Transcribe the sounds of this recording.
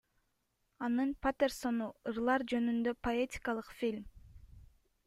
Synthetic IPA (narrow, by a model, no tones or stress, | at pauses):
ɑnɯnpat̪erso̞nuɯɾlˠɑɾd͡ʒø̞nynd̪øpoetʲi̥kɑlˠɯqfʲilʲm